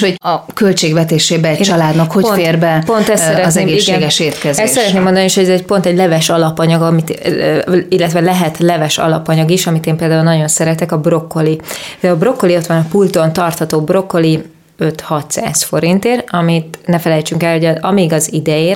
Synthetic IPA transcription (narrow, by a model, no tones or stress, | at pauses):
hoɒkø̞lt͡ʃeːɡvɛt̪eːʃeːbɛɛt͡ʃɒlaːd̪nɒkhopnfeːrbɛpo̞nt̪ɛssɛɾɛznɛmɡeːiʃɡeːɡɛʃeːt̪kɛzɛst̪sɛɾɛt̪neːmːod̪ɒnieʃho̞ɟɛzɛɟ̚po̞nt̪ɛɟlɛvɛʃɒlɒpɒɲɒɡɒmit̪ː | ilːɛt̪ʋɛlɛɦɛt̪lɛvɛʃɒ̰lɒpɒɲɒɡiʃɒmit̪eːmpeːld̪aːulnɒɟo̞nsɛɾɛt̪ɛkɒbro̞kːoliɒbro̞kːo̞lio̞t̪ʋɒnɒpult̪o̞nt̪ɒrt̪hɒt̪oːbro̞kːo̞li | ø̞t̪hɒt̪sa̰ːsfo̞ɾint̪eːrɒmit̪nɛfɛlɛjt͡ʃyŋkɛlho̞ɟɒmiɡɒzid̪ɛjeː